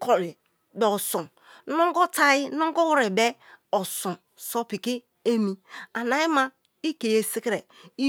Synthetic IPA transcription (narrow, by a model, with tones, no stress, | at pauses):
ko˨ɾi˨ | be˨o˨so˨ | no˦ŋ˦ɡo˦ta˦ji˦no˦ŋ˦ɡo˦wɾi˨be˦ | o˨sõ˨ | so˦pi˨ki˦ | e˦mi˨a˨na˨i˦ma˦ | i˦ke˨je˨si˦kɾe˨ | i˦